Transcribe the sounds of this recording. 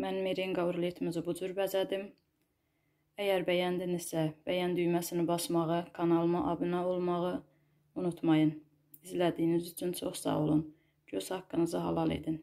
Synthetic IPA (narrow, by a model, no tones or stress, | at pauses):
mænmeɾiŋɡɑuɾlˠit̪ʰmizbud͡ʒyɾbæzæd̪im | æjæɾbæjænd̪inizsæbæjænd̪yjmæsinibɑsmɑʁɯkʰɑnɑlˠmɑʔɑbɯnɑolˠmɑʁɯ | unut̪ʰmɑjɯn | izlæd̪ijnizyt͡ʃʰynt͡ʃʰo̞χsɑ̰ʁolˠun | ɟøshɑkːɯnɯzɯɦɑ̰lˠɑlˠḛd̪in